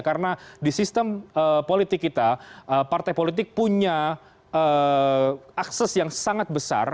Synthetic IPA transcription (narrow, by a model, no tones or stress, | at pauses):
kaɾənadisist̪əməpolit̪ɪkːit̪aəpart̪ajpolit̪̬ɪk̚puɲa | ə | aksɛsjaŋsaŋat̪̚bəsa̰r